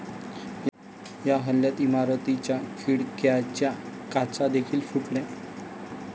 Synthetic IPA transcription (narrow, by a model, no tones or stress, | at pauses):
j | jaɦəlːjat̪imaɾot̪it͡ɕjakʰiɽkjat͡ɕjakat͡sad̪ekʰiːlfuʈlɛ̃